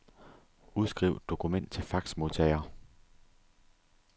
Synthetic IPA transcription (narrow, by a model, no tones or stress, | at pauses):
uðˠsɡ̥ʁḭʊ̥d̥o̝kʰumen̰d̥̚t͡sʰe̝fɑ̈ɡ̥smo̝ðˠt͡sʰɛɪɐ